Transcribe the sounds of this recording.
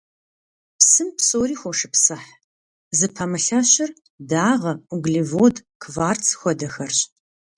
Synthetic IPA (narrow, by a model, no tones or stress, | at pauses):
psɨmpsoːɾiːxʷɔʂɨpsɐħ | zɨpʰɐmɨɬɐɕɐr | daːʁɐʊɡlivoːdkʰvaːrt͡sʰxʷɔdɐxɐrɕʼ